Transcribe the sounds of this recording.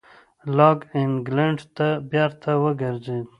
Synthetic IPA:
lɑɡɪŋɡlaɳɖt̪abjɑɾt̪ʰawəɡəɾzed̪

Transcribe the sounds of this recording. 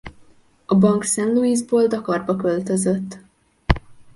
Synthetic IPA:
ɒbɒŋksɛnluiːzboːld̪ɒkɒrbɒkølt̪øzøt̪ː

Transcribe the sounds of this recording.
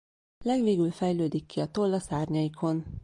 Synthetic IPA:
lɛɡʋeːɡylfɛjløːd̪ikːiɒt̪olːɒsaːrɲɒjikʰo̞n

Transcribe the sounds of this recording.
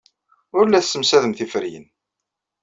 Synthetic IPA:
ʊɾlːæθsːəmsæðəmθifɾijə̰n

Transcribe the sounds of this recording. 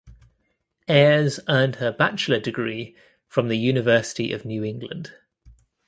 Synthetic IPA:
ɛːzɜːnd̥əbat͡ʃlədɪɡɹiː | fɹə̃mðəjʉːnɪvɜˑsɪ̥tḭʔə̰vnjʉːɪ̃ŋɡlə̰̃nd̥

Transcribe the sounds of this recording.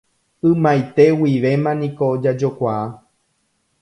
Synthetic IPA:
ɨ̃majt̪e̞wiʋe̞mãnĩko̞ːd͡ʒad͡ʒo̞kʷaa

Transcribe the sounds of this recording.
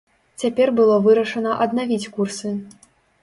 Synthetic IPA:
t͡sʲapʲɛrbɨlˠɔvɨɾɐʂɐnɐʔɐd̪navʲit͡sʲkursɨ

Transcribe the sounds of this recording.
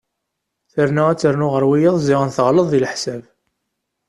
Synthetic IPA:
θəɾnææt͡sːəɾnʊʁəɾwijəðˤzɪʁənθəʁləðˤːilħsæv

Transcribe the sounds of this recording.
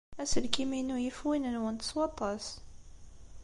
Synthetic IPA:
æsəlkiminujəfwinənwənt̪ə̥swɑt̪ˤːɑs

